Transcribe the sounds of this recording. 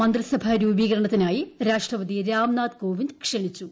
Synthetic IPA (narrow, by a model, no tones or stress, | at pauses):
mɐnd̪rɐsɐbʱaɾuːbiːɣɐɾɐɳɐt̪ːinaːjiɾaːʂʈrɐʋɐd̪iɾaːmnaːt̪ko̞ːʋind̪kʂeɳit͡ɕːu